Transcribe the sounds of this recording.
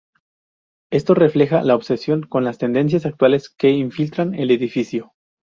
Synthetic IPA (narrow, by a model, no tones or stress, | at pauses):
e̞st̪o̞re̞fle̞xalaoβse̞sjo̞ŋko̞nlast̪e̞nd̪e̞ns̬jasak̚t̪wale̞ske̞iɱfilt̪ɾane̞le̞ðifisjo̞